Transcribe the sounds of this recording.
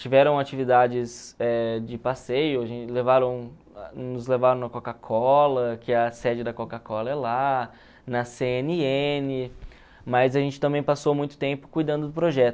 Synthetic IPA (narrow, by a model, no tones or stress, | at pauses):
t͡ʃivɛɾɐ̃w̃at͡ʃivid̪ad͡ʒɪzɛd͡ʒɪpasejʊaʒẽt͡ʃɪlevaɾɐ̃w̃ | nʊzlevaɾɐ̃w̃nɐkokakʰɔlɐkɪɐsɛd͡ʒɪd̪ɐkokakɔlɐɛla | nɐseeniẽnɪ | mɐzaɐʒẽnt͡ʃɪt̪ɐ̃mẽj̃pasowmũj̃t̪ʊ̥t̪ẽmpʊ̥kujd̪ɐ̃nd̪ʊd̪ʊpɾoʒɛt̪ʊ